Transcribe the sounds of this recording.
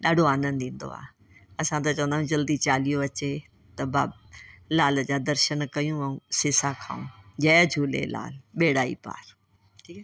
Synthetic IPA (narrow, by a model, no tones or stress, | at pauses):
ɗaːɖʱoaːnənɪd̪ĩːn̆d̪o̰a̰ː | ɐsãt̪ɐt͡ɕɐʋə̃nd̪ajũd͡ʑɐld̪it͡ɕaːlijoɐt͡ɕe | t̪ɐbaː | laːləd͡ʑaːd̪ɐɾʃənkɐjũɐũsɪsakʰa̰ːũd͡ʑɐːd͡ʑʱuːlḛla̰ːlɓeːɽaːḭpa̰ːɾ | ʈʰiːkː